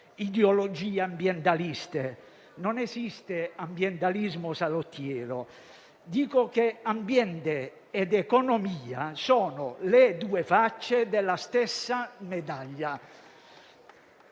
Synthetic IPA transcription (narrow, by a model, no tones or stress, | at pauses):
id̪eolod͡ʒiːambjɛnt̪alist̪e | nonesist̪eambjɛnt̪alizmosalot̪ːjɛːɾo | d̪iːkokeambjɛnt̪eː | d̪ekonomiːasoːnoled̪uːefat͡ʃːed̪elːast̪esːamed̪aʎːa